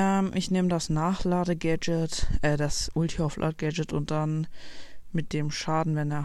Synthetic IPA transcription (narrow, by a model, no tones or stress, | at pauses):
ɛʔɪçneːmədasnaːχlaːdəɡɛd͡ʒətʔɛːdasʔʊltʰiaflʔa̰ːdəɡɛd͡ʒətʊnt̚d̥an | mɪt̚d̥eːmʃaːdn̩vɛneːɐ